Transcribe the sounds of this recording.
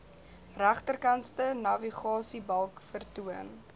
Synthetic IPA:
ræχtərkɐnstənɐviχɑːsibɐlˠkfərtuən

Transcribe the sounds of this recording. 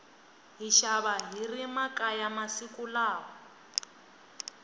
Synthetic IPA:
ɦiʃaβaɦirimakʼajamasikʼulaːɦɔ

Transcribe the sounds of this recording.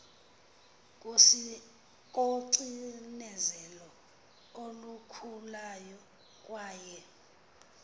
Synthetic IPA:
k̬ʼosi | k̬ʼoǀinɛzɛlɔ | olukʰulajɔ | kʼwaːjɛ

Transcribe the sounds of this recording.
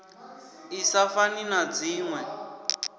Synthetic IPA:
isafaninad͡ziːŋwɛ

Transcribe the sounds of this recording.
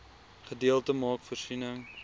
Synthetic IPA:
χədiəlˠtəmɑːkfərsinəŋ

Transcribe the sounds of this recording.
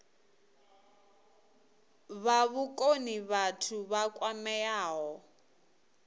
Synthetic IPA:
βaβukʼoniβatʰuβakʼwamɛjaːɦɔ

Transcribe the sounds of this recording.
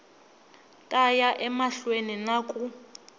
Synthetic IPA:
tʼajaʔɛmaɬweninakʼu

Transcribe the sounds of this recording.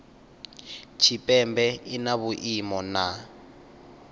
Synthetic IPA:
t͡ʃʰipʼɛmbɛinaβuʔimɔna

